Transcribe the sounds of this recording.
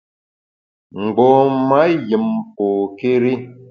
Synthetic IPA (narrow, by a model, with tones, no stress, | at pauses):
ŋ̩˨ɡ͡bɔ˨ma˨˦ji˨m˨po˨ke˦ɾi˦